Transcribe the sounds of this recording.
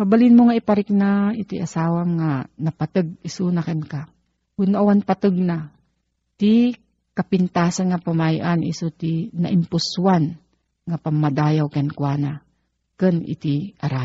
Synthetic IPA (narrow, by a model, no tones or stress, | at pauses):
pabalɪnmoŋaipaɾɪk̚nait̪ḭʔasaːwamŋanapat̪ɨɡ̚isunakanka | kʊnaʔawanpat̪ɨɡ̚na | t̪i | kapɪnt̪aːsanŋapamajʔanʔḭsut̪ina̰ʔɪmpʊsuwan | ŋapamːad̪ajawkankwana | kənḭt̪iaɾa